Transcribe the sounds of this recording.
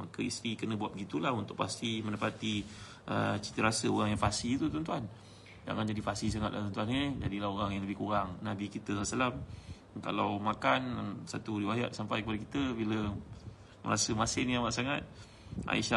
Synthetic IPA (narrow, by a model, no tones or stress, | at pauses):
ma̰kəist̪ɾikənəbuat̪̚bəɡit̪ulaɦunt̪ʊk̚past̪iməndapat̪i | ʔə̰t͡ʃi̥t̪əɾasəoɾaŋjaŋfasit̪ut̪ɔnt̪uan | d͡ʒa̰ŋand͡ʒadifasis̬aŋat̪̚la̰ht̪ɔnt̪uaned͡ʒadilaɦoɾaŋjaŋləbɪhkuɾaŋnabikit̪əslasalam | ka̰lawmakansat̪uɾiwaja̰ʔ̪̚sampajkəpadakit̪əbilə | mə̰ɾasəmasɪniamaʔsaŋat̪̚ | ʔa̰iʃa